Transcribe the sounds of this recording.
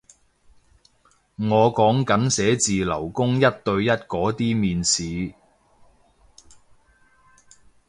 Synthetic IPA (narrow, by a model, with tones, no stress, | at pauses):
ŋɔː˨˧kɔː˨˥ŋkɐ˨˥nsɛː˨˥t͡siː˨lɐ̰˨˩wkʊ˥ŋjɐ˥t̚t̪ɵ˧ɥjɐ˥t̚kɔː˨˥t̪iː˥miː˨˧nsiː˨˧